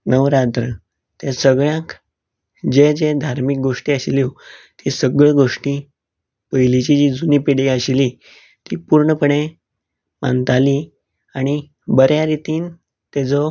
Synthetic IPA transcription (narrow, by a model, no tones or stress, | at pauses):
nəʋɾat̪ɾə | t̪ẽsəɡɭjãk | d͡ʑed͡ʑed̪ʱaɾmik̚ɡoʂʈiːəɕlit̪ʰisəɡɭeɡoʂʈi | pəjlit͡ɕid͡ʑid͡zunipiɽiəɕli | t̪ipuɾɳəpəɳe | mã̰nt̪ali | aɽ̃i | bəɾjaɾit̪iːn | t̪ɛt͡sɔ